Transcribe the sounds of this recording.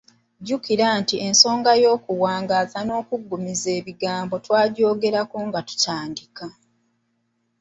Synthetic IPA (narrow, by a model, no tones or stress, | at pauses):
ɟukiɾantie̞nso̞ːŋɡajo̞ːkuwaːŋɡazano̞ːkuɡːumize̞ːβiɡaːmbo̞twaːɟo̞ːɡe̞ɾakoːŋɡatu̥caːndika